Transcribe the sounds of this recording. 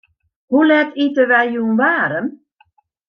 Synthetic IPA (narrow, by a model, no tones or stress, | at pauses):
hulɛtitəʋɛjjuənʋaːɾən